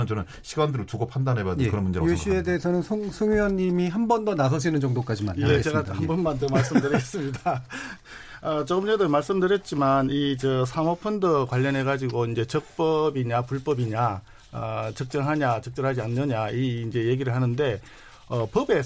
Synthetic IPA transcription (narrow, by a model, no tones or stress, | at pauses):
ɯnt͡ɕʌnɯnɕʰiɡandɯɾotuɡopʰandanɦebadɯkɯɾʌnmund͡ʑeoɕʰie̞deesʰʌnɯnsʰoŋsʰɯŋʌɲːimiɦambʌndʌnas̬ʰʌɕʰinɯnt͡ɕʌŋdok͈ad͡ʑimanjet͡ɕeɡahambʌnmandomaɭs͈ɯmdɯɾiɡes͈ɯmɲida | ʌt͡ɕʌmuɲedomaɭs͈ɯmdɯɾjʌt̚t͡ɕ͈imanit͡ɕʌsʰamʌpʰundɯkwaʎːʌnɦe̞ɡad͡ʑiɡoind͡ʑe̞t͡ɕʌk̚p͈ʌbiɲapuɭp͈ʌbiɲa | ʌt͡ɕʌk̚t͡ɕ͈ʌŋɦaɲat͡ɕʌk̚t͡ɕ͈ʌŋɦad͡ʑianːɯɲaiːnd͡ʑe̞je̞ɡiɾɯɭhanɯnde̞ | ʌpʌbe̞